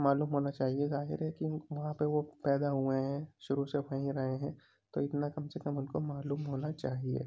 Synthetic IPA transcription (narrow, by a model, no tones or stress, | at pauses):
maːluːmɦoːnat͡ʃaːɦiezaːɦɪ̰ɾɦɛkiʋɐɦãpeʋopɛːd̪aɦueɦɛ̃ʃʊɾuseʋaĩɾɐɦeɦɛ̃ | t̪o̰ɪt̪nakɐmsekɐmʊnkomaːluːmɦoːnat͡ʃaːɦiḛː